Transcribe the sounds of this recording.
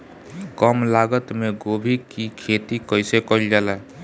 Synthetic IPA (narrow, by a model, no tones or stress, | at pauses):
kəmlaɡət̪meɡobʱikikʰet̪ikəɪsekəild͡ʒalɛ